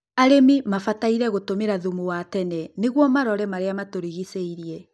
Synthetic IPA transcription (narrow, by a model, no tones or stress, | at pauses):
aɾemimafataiɾɛɣotomeɾaðumuwatɛnɛneɣwɔmaɾɔɾɛmaɾeamatoɾiɣiseiɾiɛ